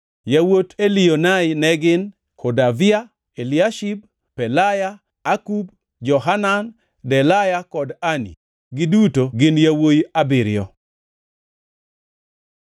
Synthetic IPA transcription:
jawotelionajɪnɛɡɪn | kʰɔdavɪa | eliaʃib̚ | pɛlajaː | kub | d͡ʒɔɦanan | dɛlajakɔdanḭ | ɡɪdutoɡɪnjawojabɪɾɪɔ

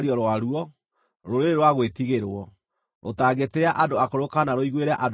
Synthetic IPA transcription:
ɾjɔɾwaɾuɔ | ɾoɾeɾeɾwaɣwetiɣeɾwɔ | ʔo̰taɡeteaʔadoakoɾokanaɾoiɣweɾaʔad

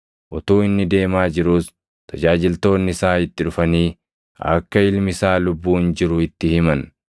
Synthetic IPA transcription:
ʔɔt̪uːɪnːɪd̪e̞ːmaːd͡ʒɪɾuːs | t̪ʰɐd͡ʒaːd͡ʒɪlt̪o̞ːnːɪsaːɪt̪ːɪᶑʊfɐniː | ɐ̰kːɐɪlmɪsaːlʊbːuːnd͡ʒɪɾʊɪt̪ːɪhɪmɐn

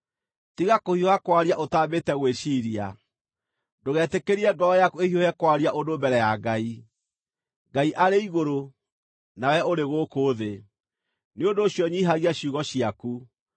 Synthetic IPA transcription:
tiɣakohiohakwaɾiaʔotaːbetɛɣweʃiːɾia | doɣɛːtekeɾiɛɡɔɔjakuehiojɛkwaɾiaʔodobɛɾɛjaɡai | ŋɡaiʔaɾeiɣoɾo | nawɛoɾeɣokoðe | neondoːɕjɔɲiɦaɣiaɕjuːɣɔɕiaku

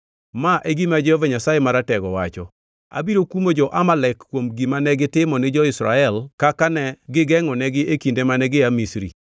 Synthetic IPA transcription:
maʔeɡimad͡ʒɛɔvaɲasajɛmaɾatɛɡɔwat͡ʃɔ̰ | a̰biɾokumod͡ʒɔʔamalɛkːwomɡimanɛɡɪtɪmɔnɪd͡ʒɔɪsɾa̰ɛlkakanɛɡɪɡɛŋɔnɛɡɪʔekindemanɛɡɪamisɾḭ

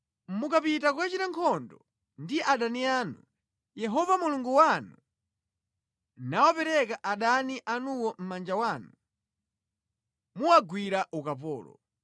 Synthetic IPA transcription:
mukapitakuwat͡ʃitaŋkʰɔndɔ | ndiɛʔaɗaniaːnu | jɛɦɔvamuluŋɡuwanu | nawɔpɛɾɛkaʔaɗaniʔanuwɔm̩mand͡ʒawaːnu | muwaɡwiɾaʔukapɔːlɔ̰

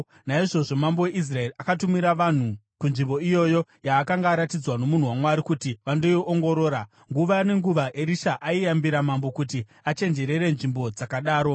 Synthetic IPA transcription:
naiʐo̞ʐo̞mambo̞weʔis̬rae̞riakatumiɾaʋan̤ukunʐimbo̞ijo̞jo̞jaːkaŋɡaːɾatid͡zwano̞mun̤uwamwaɾikutiʋandojiʔoŋɡo̞ɾo̞ːɾa | ŋɡuʋane̞ŋɡuʋaʔeɾiʃaʔaijambiɾamambo̞kuti | at͡ʃe̞nd͡ʒe̞ɾe̞ɾe̞nʐimbo̞d͡zakaɗaːɾo̞

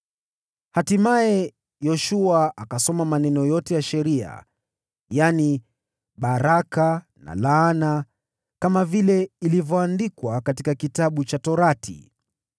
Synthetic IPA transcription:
hatimaɛ | jɔʃuaʔakasɔmamanɛnɔjɔtɛjaʃɛɾia̰ | jani | ɓaɾaka | na̰laːna | kamavilɛilivjɔandikwakatikakitaɓut͡ʃatɔɾatʰḭ

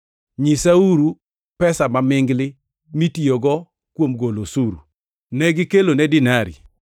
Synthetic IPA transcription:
ɲisauɾu | pɛsamamɪŋɡlɪ | mitijoɡɔ | kwomɡolosuɾu | nɛɡɪkelonɛdɪnaɾḭ

